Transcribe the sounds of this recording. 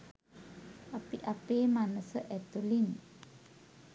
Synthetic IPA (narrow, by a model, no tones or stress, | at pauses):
ʔapiʔapemanəsəʔɛt̪ulin